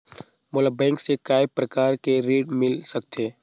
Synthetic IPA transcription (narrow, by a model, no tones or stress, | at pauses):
moləbbɛ̃ːŋksekaːjpɾɐkaːɾkeɾiːɖmɪlsɐk̚t̪eː